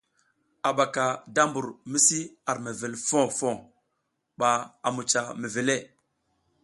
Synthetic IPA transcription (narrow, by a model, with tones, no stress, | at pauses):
a˨ɓa˨ka˨da˦mbu˨ɾmi˦si˦a˨ɾme˨ve˨lfo˦fo˦˨ | ɓa˨a˨mu˨t͡ʃa˨me˨ve˨le˦˨